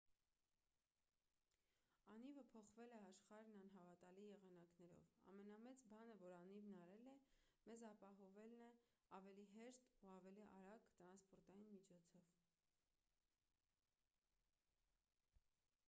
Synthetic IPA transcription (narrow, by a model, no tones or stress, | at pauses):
ɑnivəpʰɔχvɛlɛɑʃχɑɾnɑn̪ɦɑvɑt̪ɑlijɛʁɑnɑknɛɾɔ̰vɑ̰mɛnɑmɛt͡sbɑnəvɔɾɑnivnɑɾɛlɛ | mɛzɑpɑɦɔvɛlnɛ | ɑvɛliɦɛʃt̪uɑvɛliʔɑɾɑkt̪ɾɑnspɔɾt̪ɑjinmit͡ʃʰɔt͡sʰɔv̥